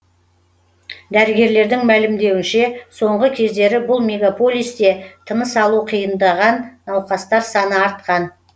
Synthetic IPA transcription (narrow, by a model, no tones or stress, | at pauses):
d̪æɾɪɡʲe̞ɾle̞ɾd̪ɪŋmælɪmd̪e̞wɪnʃe̞so̞ɴʁəkʲʰe̞zd̪e̞ɾɪbʊlˠmʲe̞ɡapo̞lʲˠijst̪e̞t̪ʰənəsɑlˠuqʰijənd̪ɑʁɑnːɑwqɑst̪ɑɾsɑnəɑɾt̪̚qɑn